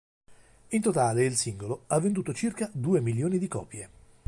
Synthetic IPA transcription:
int̪ot̪aːleilsiŋɡoloavːend̪uːt̪ot͡ʃirkad̪uːemiljoːnid̪ikɔ̰ːpje

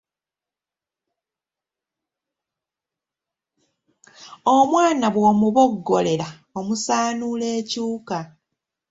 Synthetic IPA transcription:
omwaːnaβwoːmuβo̞ɡːo̞le̞la | o̞musaːnule̞ːcuːka

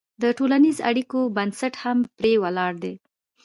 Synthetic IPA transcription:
d̪əʈolanizoʔa̰ɽikobansaʈhampɾewalɑɾd̪e

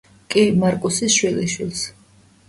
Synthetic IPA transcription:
kʼimaɾkʼusisʃwiliʃwilˠs

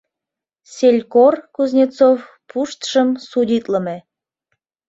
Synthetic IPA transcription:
sʲelʲkorkuznʲet͡sof | puʃt̪ʃəmsudʲit̪ləme

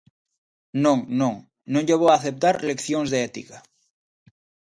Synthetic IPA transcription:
nõŋnõŋ | nõŋʎeβ̞oaθep̚t̪aɾlekθjõŋzðeɛt̪ika

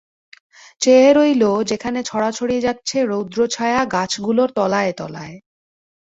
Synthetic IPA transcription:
t͡ɕeeɾojlod͡ʑekʰanet͡ɕʰɔɽat͡ɕʰoɽied͡ʑatːɕʰeɾowd̪ɾot͡ɕʰaeaɡat͡ɕʰɡuloɾt̪ɔlaet̪ɔ̰la̰e

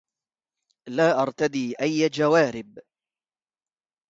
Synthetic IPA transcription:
laːʔɑɾˤt̪ad̪iːʔajːd͡ʒawaːɾɪb

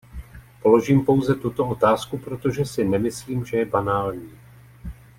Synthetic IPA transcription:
po̞lo̞ʒiːmpo̞wzɛt̪ut̪o̞o̞t̪aːskupɾot̪o̞ʒɛsɪnɛmɪsliːmʒɛjɛbanaːlɲiː

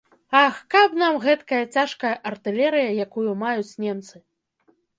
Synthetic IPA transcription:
axkapnamɣɛt̪kɐjɐt͡sʲaʂkɐjɐʔɐrt̪ɨlʲɛɾɨjɐjakujumajut͡sʲnʲɛmt̪sɨ

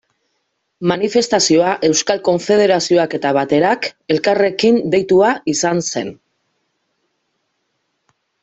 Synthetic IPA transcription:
manife̞st̪asio̞aʔe̞wskalko̞ɱfe̞ð̞e̞ɾasio̞ake̞t̪aβat̪e̞ɾake̞lkare̞kind̪e̞jt̪uaisanse̞̰n

